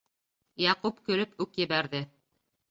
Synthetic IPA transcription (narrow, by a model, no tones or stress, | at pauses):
jɑqupkɵ̆lɵpʉkjɘ̆βæɾðɘ